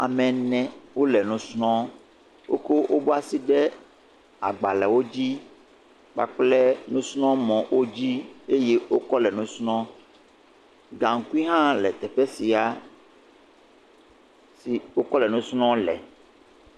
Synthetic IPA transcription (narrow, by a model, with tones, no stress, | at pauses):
a̰˨mɛ̃˨nɛ̃˨wo˦lɛ˨nũ˦snɔ̃˦ | wʔo̰˦ko˦wʔo˦bo˦a˦˨si˦ɖɛ˦ | a˨ɡ͡ba˨lɛ˨wo˦d͡ʑi˦ | k͡pa̰˨k͡plɛ˦nũ˦snɔ̃˦mɔ̃˨wʔo˦d͡ʑi˦e˦je˦wo˦kɔ˦lɛ˨nũ˦snɔ̃˦ | ɡã˨ŋ̩˨ku˦i˦ɦã˦lɛ˨t̪ɛ˨ɸɛ˦si˨a˦ | si˨wo˦kɔ˦lɛ˨nũ˦snɔ̃˦lɛ̰˨